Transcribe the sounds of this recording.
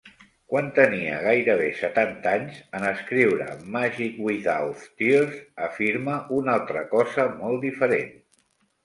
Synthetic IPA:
kwant̪əniə̰ɣ̞ajɾəβ̞esət̪ant̪aɲzənəskɾiwɾə̰maʒikwiðawft̪izəfiɾməʔunalˠt̪ɾəkɔzəmɔlˠd̪ifəɾen

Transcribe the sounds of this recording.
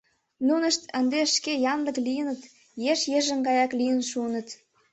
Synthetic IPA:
nunəʃt̪ənd̪eʃkejɑnləklijənət̪ | jeʃjeʒə̆ŋɡɑjɑklijənʃunə̆t̪

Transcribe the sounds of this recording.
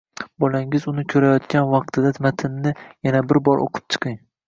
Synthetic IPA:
bɒlaŋɪzʊnɪkʲʰɵɾajɒt̪kʲanvɑq̚t̪ʰɪd̪at̪ʰmat̪ʰɪnnɪjanabɪɾbɒɾʔo̰qʰɨ̥p̚t͡ʃʰɨ̥qʰɨŋ

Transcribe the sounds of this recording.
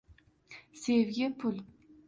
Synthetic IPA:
sevɡʲɪpʰʊl

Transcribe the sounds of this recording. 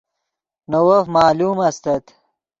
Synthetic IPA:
nowɐfmaːluːmɐst̪ɐt̪

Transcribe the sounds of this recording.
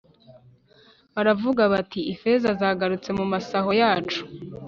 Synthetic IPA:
βaɾavuɡaβatiife̞zazaːɡaɾut͡se̞mumasaɦo̞jaːt͡ʃu̥

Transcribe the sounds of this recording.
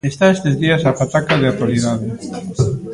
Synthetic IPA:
est̪aest̪ezðiɐsafat̪akaðeat̪waliðaðe

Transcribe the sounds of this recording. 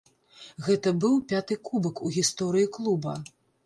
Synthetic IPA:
ɣɛt̪ɐbɨwpʲat̪ɨkubɨkuɣʲist̪ɔɾɨjiklˠubɐ

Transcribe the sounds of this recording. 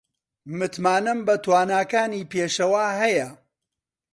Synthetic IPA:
mɨt̪maːnɐmbɐt̪waːnaːkaːniːpeːʃɐwaːɦɐjɐ

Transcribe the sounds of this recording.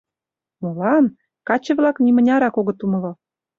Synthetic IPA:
molɑn | kɑt͡ɕə̆βlɑknʲimə̆nʲɑɾɑkoɣɤ̆t̪umə̆lŏ

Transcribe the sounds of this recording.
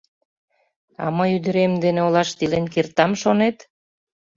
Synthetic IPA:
ɑ̰məjyd̪ə̆ɾemd̪eneolɑʃt̪ilenkert̪ɑmʃonet̪

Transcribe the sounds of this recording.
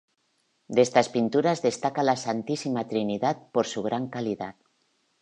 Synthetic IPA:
d̪est̪aspint̪uɾazðest̪akalasant̪isimat̪ɾiniðat̪̚poɾsuɣ̞ɾaŋkaliða̰t̪

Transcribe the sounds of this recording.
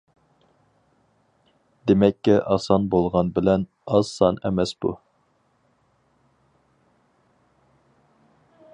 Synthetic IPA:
d̪emɛkʲːɪʔɑsɑnbolˠʁɑnbɪlɛn | ɑzsɑnɛmɛsbṵ

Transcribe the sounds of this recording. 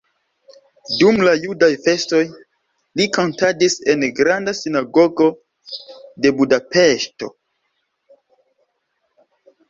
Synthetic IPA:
dumlajudajfe̞sto̞j | likontadise̞nɡɾandasinaɡo̞ɡo̞ | de̞budape̞ʃto̞̰

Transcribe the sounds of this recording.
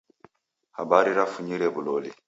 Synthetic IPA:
ha̰baɾiɾafuɲiɾɛbuloli

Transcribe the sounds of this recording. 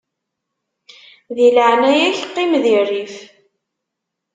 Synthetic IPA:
ðiləʕnæjæçqːimðirːif

